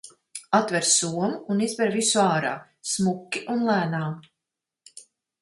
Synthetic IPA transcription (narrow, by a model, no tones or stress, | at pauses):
at̪vɛɾsuɔmuːnizbɛɾvisuaːɾa̰ː | smukːiʔunlˠæːnaːm